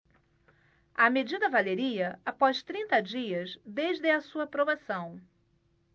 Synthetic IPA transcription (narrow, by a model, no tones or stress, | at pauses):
ɐmed͡ʒid̪ɐvaleɾiɐapɔst̪ɾĩnt̪ɐd͡ʒiɐzd̪eʒd̪ɪɐsuɐpɾobasɐ̃w̃